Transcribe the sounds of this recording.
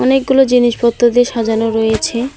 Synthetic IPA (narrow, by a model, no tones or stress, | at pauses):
ɔnek̚ɡulod͡ʑiniʃpɔt̪ːod̪eʃad͡ʑanoɾɔjet͡ɕʰe